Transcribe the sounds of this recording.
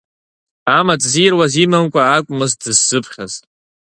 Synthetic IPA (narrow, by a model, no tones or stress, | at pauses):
amat͡sʼzirwazimɨmkʷʼaːkʷʼmɨzdɨzːɨpʰχʲa̰ztʼ